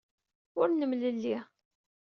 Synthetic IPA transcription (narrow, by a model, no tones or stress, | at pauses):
ʊɾnəmləlːi